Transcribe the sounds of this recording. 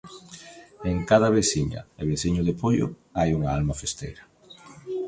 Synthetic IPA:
eŋkaðɐβesiɲɐ̰eβesiɲʊðepojʊ̰ | ajuŋaalmafest̪ḛjɾɐ

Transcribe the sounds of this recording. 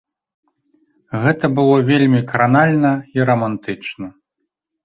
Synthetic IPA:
ɣɛt̪ɐbɨlˠɔvʲelʲmʲikɐɾanalʲnɐiɾɐmant̪ɨt͡ʂnɐ

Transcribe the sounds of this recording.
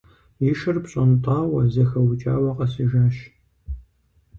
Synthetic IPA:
jiʃɨrpɕʼɐntʼaːwɐzɐxɐwt͡ʃʼa̰ːwɐqʼɐsiʒaːʃ

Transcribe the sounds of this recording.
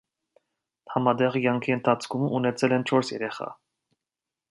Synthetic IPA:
hɑmɑd̪ɛʁkjɑŋkʰiənt̪ʰɑt͡sʰkʰuməunɛt͡sʰɛlɛnt͡ʃʰɔɾsjɛɾɛχɑ̰

